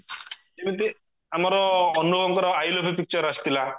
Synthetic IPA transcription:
emit̪i | amaɾɔːnuɔɡɔŋkɔɾɔajlɔpʰip̬ik̚t͡ʃɔɾast̪ila

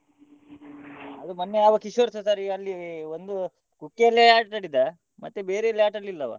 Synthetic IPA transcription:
ɐd̪umɐnːejaːʋɐkiʃʋɐɾsosaːɾiɐlːiond̪u | kukːeɐlːeaːʈʈɐɽid̪ːɐ | mɐt̪ːebeːɾeɐlːeaːʈɐlːilːɐʋɐ̰

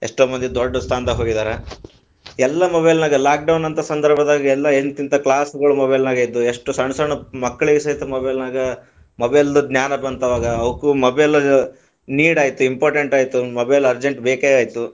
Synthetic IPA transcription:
eʂʈoːmɐnd̪ed̪ɔɖːɐst̪ʰaːnd̪ɐɦoːɡid̪aːɾe | ɛlːɐmobɐjlnaːɡɐlaːk̚ɖɐwnɐnt̪ɐsɐnd̪ɐɾbʱɐd̪aːɡiɛlːɐent̪int̪ɐkɭaːsɡɐɭumobɐjlnaːɡejid̪ːueʂʈusɐɳsɐɳɐmɐkːɐɭiɡisɐjt̪ɐmobɐjlnaːɡɐ | mobɐjld̪uɡ̪nʲjaːnɐbɐnt̪ɐʋaːɡɐɐʋɐkumɐbelɐ | niːɽaːjit̪uimpoːɾʈeɳʈaːjt̪umɔbɐjlɐɾd͡ʒeɳʈbeːkeaːjit̪u

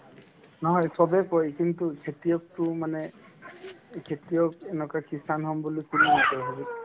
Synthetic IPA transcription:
nɔɦɔjsɔbɛkɔjkintukʰetijɔk̚tʊmanɛ | kʰetijɔk̚ɛnɔkakisanɦɔmbulikulinakɔjɦɔbi

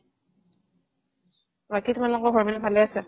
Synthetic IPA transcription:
ɹakitumalɔkɔbʱɔɹmɛnapʰalɛasɛ

